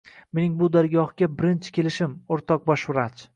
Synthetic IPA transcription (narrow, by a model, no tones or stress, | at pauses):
me̞nɪŋbʊd̪aɾɡʲɒhɡʲabɪɾɪnt͡ʃʰɪ̥kʲʰe̞lɪʃɪmoɾt̪ʰɒq̚baʃʊɾat͡ʃ